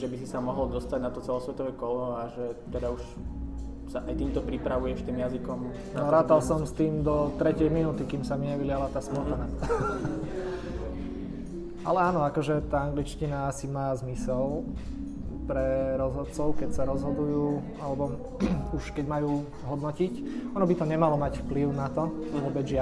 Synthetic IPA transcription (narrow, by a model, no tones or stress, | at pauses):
ʒɛbisisamɔɦɔld̪ɔst̪aɟnat̪ɔt͡sɛlɔsʋɛt̪ɔʋɛkɔlɔaʒɛt̪ɛd̪auʃ | saʔajt̪iːmt̪ɔpɾipɾaʋujɛʃt̪iːmjazikɔm | nɔɾaːt̪alsɔmst̪iːmd̪ɔt̪ɾɛcɪɛjminuːt̪ikiːmsamiɲɛʋilɪalat̪aːsmɔt̪ana | ɛ | ʔalɛaːnɔakɔʒɛt̪aːaŋɡlit͡ʃcinaasimaːzmisɛl | pɾɛɾɔzɦɔt̪t͡sɔʊkɛcsaɾɔzɦɔd̪ujuː | alɛbɔ | uʃkɛɟmajuː | ɦɔd̪nɔcicɔnɔbit̪ɔɲɛmalɔmacfpliʊnat̪ɔʋʊɔbɛd͡zʒɪa